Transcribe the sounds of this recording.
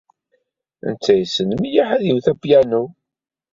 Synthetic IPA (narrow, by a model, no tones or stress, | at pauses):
ə̰nt͡sːæjsənmijaħæðiwθæbjænu